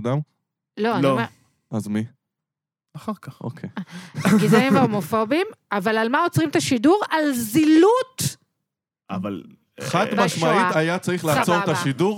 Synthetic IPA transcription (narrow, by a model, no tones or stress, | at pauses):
dam | lo̞anlime | azmi | aχaʁkaχo̰kʰejɡizaimveomo̞fo̞bimavalalmaot͡sʁimt̪aʃiduʁalzilut̪ | a̰val | χad̪maʃaitajat͡saʁiχlat͡soʁt̪aʃiduʁ